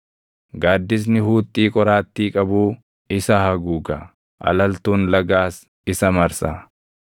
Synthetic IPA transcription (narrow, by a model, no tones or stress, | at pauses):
ɡaːd̪ːɪs̬nɪhuːt̪ʼːiːkʼɔɾaːt̪ːiːkʼɐbuː | ɪsɐhɐɡuːɡɐ | ʔɐ̰lɐlt̪uːnlɐɡaːs | ɪsɐmɐɾsa